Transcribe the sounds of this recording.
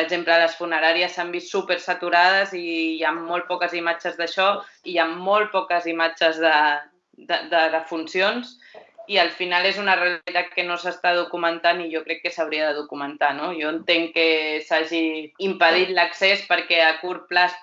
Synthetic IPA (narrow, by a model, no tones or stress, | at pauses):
pəɡʒemplələsfunəɾaɾiəsːambist̪supeɾsət̪uɾað̞əzijamːol̚ˠpɔkəzimad͡ʒəzðəʃɔijaːolˠt̪̚pɔkəzimad͡ʒəzðə | d̪əd̪əðəfunsions | iəlˠfinalezunəreəlit̪at̪̚kənosəst̪að̞ukumənt̪aniʒɔkɾɛkːəsəwɾiəðəðukumənt̪anojɔənt̪eŋkesaʒiːmpəð̞it̪ləksespəɾkɛəkuɾplas